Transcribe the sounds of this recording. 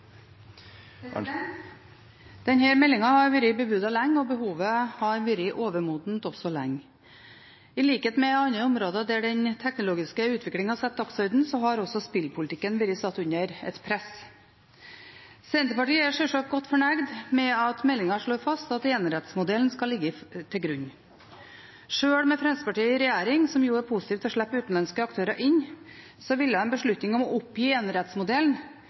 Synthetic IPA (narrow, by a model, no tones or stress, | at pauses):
d̪̥ɛnhæːɾmɛlːɪŋɑhɑɾʋɪɾɪbəbʉd̪ɑlæŋːɔbəhuːʋəhɑɾʋʏɾɪʔoːʋəɾmuːd̪n̩t̪ɔsɔlæ̰ŋː | ɪliːkeːt̪mɛɑnəʊmɾoːd̪ɑd̪æɖɛnt̪ʰɛknʊloːɡɪskəʉːt̪ʰʋɪklɪŋhɑsɛt̪̚d̪ɑksœɾd̪n̩sɔɦɑɾɔsɔspɪlpʰʊlt̪ɪkːənʋɪɾɪsɑt̪ːʉɲəɾɛ̰t̪pʰɾɛs | sɛnt̪əpɑʈiːəæʂɛʂɑk̚ɡɔt̪ːfɔɳæɡd̪mɛɑt̪mɛlːɪŋɑʂɭoːfɑst̪ɑt̪eːnɾɛt̪smʊd̪ɛln̩skɑlːɪɡːət̪ʰɪlɡɾʉɲː | ʂøːɽmɛfɾɛnsə̥pɑʈiːəɪɾɛjæːɾɪŋsɔmjuːæɾpʰusɪ̥t̪iːft̪ʰɔʂɭæpːəʉːt̪n̩lɑnskəɑkt̪ʰøːɾɑʔɪɲː | sɔʋɪlːəhɑnbəʂɭʉt̪nɪŋɔmɔʔʊpjiːeːnɾɛt̪smʊd̪ɛln